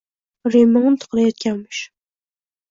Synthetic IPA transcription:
ɾimɪŋɨnt̪ʰʊ̥qlˠajɒt̪̚kʲʰanmɪʃ

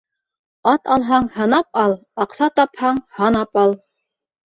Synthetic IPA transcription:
ɑt̪ɑlˠɦɑɴhɑnɑpɑlˠ | ɑqsɑt̪ɑphɑɴhɑnɑpɑlˠ

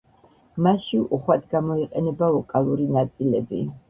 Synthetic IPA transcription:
maʃiʔuχwad̪ɡamɔiqʼɛnɛbavɔkʼalˠuɾinat̪sʼilɛbḭ

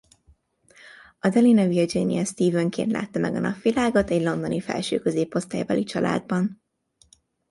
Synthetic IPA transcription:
ɒd̪ɛlinɒvird͡ʒinijɛst̪iːvøŋkḛnt̪la̰ːt̪ːɒmɛɡɒnɒfʋilaːɡo̞t̪ɛɟlo̞nd̪onifɛ̰lʃø̰ːkøzeːpo̞st̪aːjbɒlit͡ʃɒlʔa̰ːd̪̚bɒn

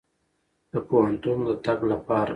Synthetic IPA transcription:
d̪̥əpoɦant̪und̪ət̪aɡlapɑɾ

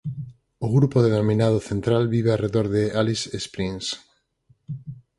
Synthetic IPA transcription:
ʊɣɾupoðenomĩnað̞ʊθent̪ɾalβiβeareðoɾðealisespɾins

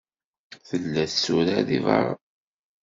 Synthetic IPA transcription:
θəlːæθsuɾæðivɑ̰ɾˤɑ̰

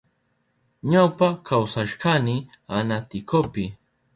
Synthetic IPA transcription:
ɲawpakʰawsaʃɢanɪ | anat̪ɪkopɪ

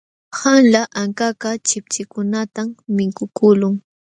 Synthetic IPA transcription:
hanlaʔaŋkakat͡ʃɪp̚t͡ʃɪkʊnat̪amːɪkʊkʊlʊŋ

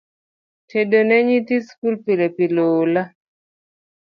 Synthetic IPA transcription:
tʰedonɛɲit̪iskulpilepilola

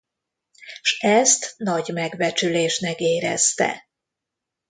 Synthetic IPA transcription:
ʃɛst̪nɒɟmɛɡvɛt͡ʃyleːʃnɛkeːɾɛ̰st̪ɛ̰

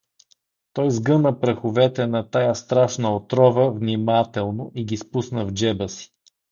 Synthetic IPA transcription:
t̪ɔjzɡɤnəpɾɐxʊvɛt̪ɛnɐt̪ajast̪ɾaʃnəot̪ɾɔvəvnimat̪ɛlˠnoʔiɡispusnəvd͡ʒɛbəsi̥

